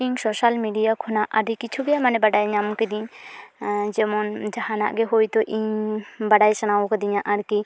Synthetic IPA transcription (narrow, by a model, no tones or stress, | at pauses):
iɲsɔʃalmiɖijakʰɔnaʔaɾikit͡ʃʰuɡɛjamanɛbaɖajɲamkɛd̪iɲ | d͡ʒɛmɔnd͡ʒahana̰ʔɡɛɦojt̪ɔʔiɲbaɖajsanawɔkɛd̪iɲaʔaɾki